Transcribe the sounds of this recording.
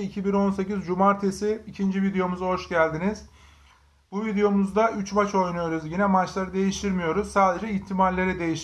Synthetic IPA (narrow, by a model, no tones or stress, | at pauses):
icʰibino̞nse̞cizd͡ʒumaɾt̪ʰesiːcʰind͡ʒivid̪ejo̞muzɦo̞ʃɟælʲd̪iniz̥ | buvid̪ejo̞muzd̪aʔyt͡ʃvat͡ʃʰo̞jnujo̞ɾuzjinɛmat͡ʃlˠaɾɯd̪e̞jiʃt̪ʰiɾmijo̞ɾuz̥saːd̪e̞d͡ʒɛiçt̪ʰimalːʲe̞ɾɛd̪e̞jiʃ